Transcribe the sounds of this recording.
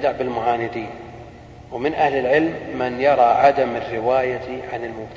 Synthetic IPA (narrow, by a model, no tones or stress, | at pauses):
d̪aʕbɪlmʊʕaːnɪd̪iːn | wmɪnʔahlɪlʕɪlmːɪnjɑɾˤɑʕad̪amɪrːɪwaːjaʕanɪlmʊbt̪